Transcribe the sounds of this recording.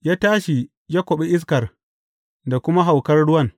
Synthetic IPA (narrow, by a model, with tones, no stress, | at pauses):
jaː˦taː˦ʃi˨ | jaː˦kʷo˨ɓi˦ʔɪ˦s̬kɐ˨r | da˨kʷʊ˦ma˦ɦa˨wkɐ˦rɽʊ˦wɐ˦n